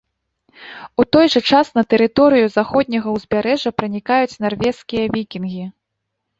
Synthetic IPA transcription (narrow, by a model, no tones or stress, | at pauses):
ut̪ɔjʐɐt͡ʂasnɐt̪ɛɾɨt̪ɔɾɨjuzaxɔd̪̚ʲnʲɐɣɐwzʲbʲaɾɛʐɐpɾɐnʲikajut͡sʲnarvʲɛskʲijɐvʲikʲinɣʲi